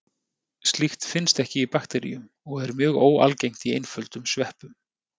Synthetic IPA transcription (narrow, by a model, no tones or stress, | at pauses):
st̪lixt̪fɪnst̪ɛhcɪipakt̪ɛɾḭjʏm | ɔɣɛɾmjœːɣoːwa̰lcejŋ̥t̪iejnfœlt̪ʏmsvɛhpʏm